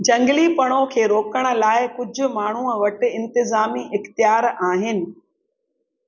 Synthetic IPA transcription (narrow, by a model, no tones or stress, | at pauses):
d͡ʑɐ̃ŋɡlipɐɽ̃okʰeːɾoːkəɽ̃ə̆laːɪkʊd͡ʑʱʊ̆maːɳ̤uːəʋɐʈɪ̆ɪ̃nt̪ɪzaːmiʔɪxt̪ijaːɾaːɦɪnɪ̆